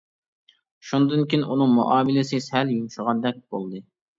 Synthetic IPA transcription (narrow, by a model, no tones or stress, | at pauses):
ʃund̪ɨnkʲʰinʔunɨŋmṵʔɑːmɪlɪsɨsɛljumʃəʁɑd̪ɛk̚ʲb̥olˠd̪ɨ